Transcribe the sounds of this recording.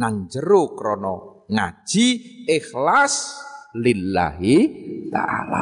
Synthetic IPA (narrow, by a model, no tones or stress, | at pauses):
naŋd͡ʒəɾokɾɔnɔ | ŋa̰̥ʒ̥iɪxlaslila̰ɦit̪a̰ʔala